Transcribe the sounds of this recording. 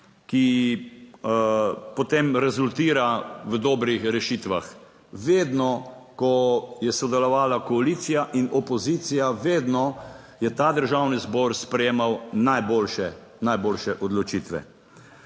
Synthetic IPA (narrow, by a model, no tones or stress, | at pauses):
ki | pɔt̪emɾɛzult̪iːɾaʋəd̪ɔːbɾixɾɛʃiːt̪ʋax | ʋeːd̪nɔkɔjɛsɔd̪ɛlɔʋaːlakɔaliːt̪sijaʔinɔpɔziːt̪sijaʋeːd̪nɔ | jɛt̪aːd̪əɾʒawnizbɔɾspɾɛjeːmawnajboːlʃɛ | najboːlʃɛʔɔd̪lɔt͡ʃit̪ʋɛ̰